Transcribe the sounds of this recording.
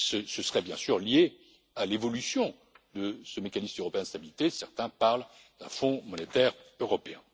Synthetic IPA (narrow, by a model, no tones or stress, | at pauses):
səsəsəʁɛbjɛ̃syʁlje | alevɔlysjɔ̃ | d̪əsəmekanismøʁɔpeɛ̃d̪əst̪abilit̪esɛʁt̪ɛ̃paʁl | d̪̥ɛ̰̃fɔ̃mɔnet̪ɛʁøʁɔpeɛ̰̃